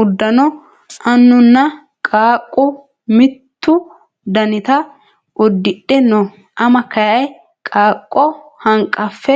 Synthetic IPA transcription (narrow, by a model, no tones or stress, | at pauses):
ʊd̪ːɐnɔ | ʔɐnːʊnːɐ | kʼaːkʼːʊ | mɪt̪ːʊ | d̪ɐnɪt̪ɐ | ʔʊd̪ːɪɗːɛnɔ | ʔɐmɐkɐjɐj | kʼaːkʼːɔhɐŋkʼːɐfːɛ